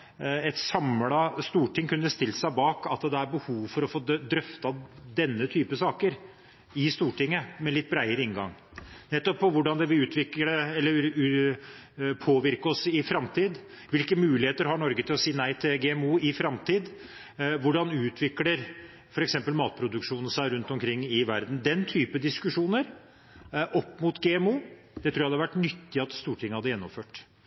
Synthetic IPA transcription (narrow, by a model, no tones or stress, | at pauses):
ɛt̪sɑmlɑst̪uːʈɪŋkʰʉnːəst̪ɪlːsæɪbɑːkɑt̪d̪ɛæɾbəhuːʋfɔɾɔfoːd̪ɾœft̪ɑd̪ɛnːət̪ʰyːpəsɑːkəɾ | ɪst̪uːʈɪŋːəmɛlɪt̪ːbɾæɪəɾəɪŋɡɑ̰ŋ | nɛt̪ːɔpʰːɔʋʊɖɑnd̪ɛʋɪʉːt̪ʰʋɪkəɾəɛlːəɾ | pʰoːʋɪɾkəɔsɪfɾɑmt̪ʰiːd̪ | ʋɪlkəmʉːlɪheːt̪əɾɦɑɳɔɾɡət̪ʰɪlɔsiːənæɪt̪ʰɪlɡɛːɛmuːɪfɾɑmt̪ʰiːd̪ | ʋʊɖɑnʉːt̪ʰʋɪkləɾ | fɔɾɛksɛmpəlmɑːt̪̚pʰɾʊd̪ʉkʂuːnn̩sæɪɾʉnt̪ɔmkʰɾɪŋːɪʋæɾd̪n̩d̪ɛnt̪ʰyːpəd̪ɪskʉʂuːnəɾ | ʔɔpːmʊt̪ɡɛɛmuː | d̪̥ɛt̪ʰɾuːjæhd̪ɛʋæʈːnʏt̪ːɪɑt̪st̪uːʈʰɪŋːəhɑd̪əjɛnːɔmføːʈ